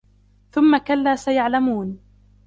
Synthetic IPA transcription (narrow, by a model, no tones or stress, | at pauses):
θʊmːakalːaːsajaʕlamuːn